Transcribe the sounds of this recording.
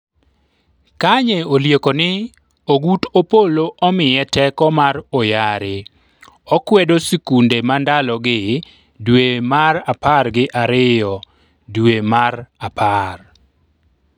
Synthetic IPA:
kaɲeoljekonɪ | oɡutopoloʔɔmɪjɛtɛkɔmaɾɔjaɾɪ | ɔkwɛdosikundemandalɔɡɪ | dwemaɾaparɡɪʔaɾɪjɔ | dwemaɾapʰar

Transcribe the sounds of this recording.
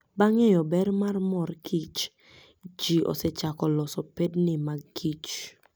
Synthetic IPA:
baŋɛjɔbɛɾmarmɔrkʰit͡ʃ | d͡ʒiʔɔ̰sɛt͡ʃakɔlɔsɔpednɪmakʰit͡ʃ

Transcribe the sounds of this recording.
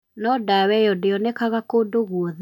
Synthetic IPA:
nɔdawɛjɔdeɔnɛkaɣakodoɣuɔðe

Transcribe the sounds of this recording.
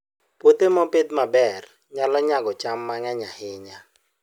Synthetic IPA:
pwot̪emɔped̪mabɛr | ɲalɔɲaɡɔt͡ʃamːaŋɛɲahɪɲa

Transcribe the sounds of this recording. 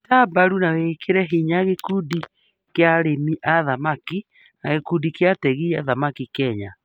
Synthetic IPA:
tabaɾunawekʰeɾɛɦiɲaɣekudi | keaɾemiʔaðamaki | naɣekudikeatɛɣiaðamakikɛɲa

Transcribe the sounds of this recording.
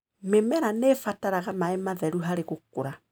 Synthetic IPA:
memɛɾanefataɾaɣamaemaðɛɾuɦaɾeɣokoɾa

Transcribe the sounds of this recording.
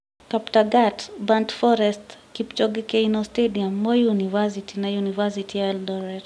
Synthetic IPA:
kaptaɡatbantfɔɾɛstkipt͡ʃɔɡikɛjnɔstɛdiamːɔjunivas̬itinajunivasitʰialdɔɾɛd

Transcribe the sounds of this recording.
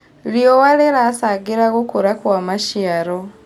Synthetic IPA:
lijowaleɾasaɡiɾaɣukuɾakwamaʃiaɾo

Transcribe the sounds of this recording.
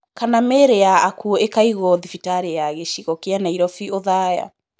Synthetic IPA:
kanameɾejaːkuoekaiɣɔðifitaɾejaɣeʃiɣɔkeanaiɾɔfioðaja̰

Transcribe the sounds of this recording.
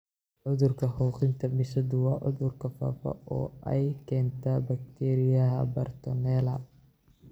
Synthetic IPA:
ʕʊðʊrkʰɐhɔːqɪnt̪ʰɐmɪʃɐd̪ʊwɑːʕʊ̰ðʊrkʰɐfa̰ːfɐ̰ɔ̰ːʔɛjkʰɛːnt̪ʰabɐk̚t̪ʰɛɾɪjɐɦɐ̰bɐrt̪ʰɔnɛːlɐ

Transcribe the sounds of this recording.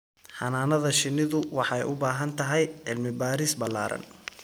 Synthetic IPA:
ħɑnaːnɐðɐʃɪnːɪðʊwɑħɑɛjʊbaːɦɐnt̪ʰɐɦɛjʕɪlmɪbaːɾisbɐla̰ːɾɐ̰n

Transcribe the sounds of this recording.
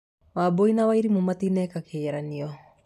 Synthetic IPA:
waboinawaiɾimumatinɛːkakeaɾaniɔ

